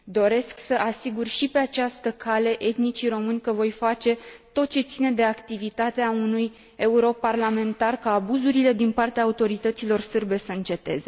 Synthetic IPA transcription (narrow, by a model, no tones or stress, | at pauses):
d̪o̞ɾe̞sksəʔasiɡurʲʃipe̞at͡ʃast̪əkʰale̞ʔe̞t̪nit͡ʃiɾo̞mɨnʲkəvo̞jfat͡ʃe̞t̪o̞t̪̚t͡ʃe̞t̪sine̞d̪e̞akt̪ivit̪at̪eaunuj | e̞uɾo̞parlame̞nt̪arkaːbuzuɾile̞d̪inpart̪eaːut̪o̞ɾit̪ət̪silo̞rsɨrbe̞səɨnt͡ʃe̞t̪e̞ze̞